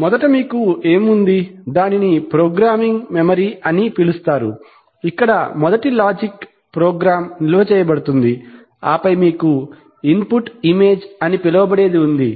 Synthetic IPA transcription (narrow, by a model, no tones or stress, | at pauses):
mɔd̪ɐʈɐmiːkue̞ːmund̪id̪aːninipɾoːɡɾaːmiŋɡmemɐɾiɐnipilust̪aːɾṵ | ikːɐɽɐmɔd̪ɐʈilaːd͡ʒik | pɾoːɡɾaːmnilɐʋɐt͡ʃɛːjɐbɐɽut̪und̪i | aːpɐjmiːku | impuʈime̞ːd͡ʒɐnipilɐʋɐbɐɽe̞ːd̪iund̪i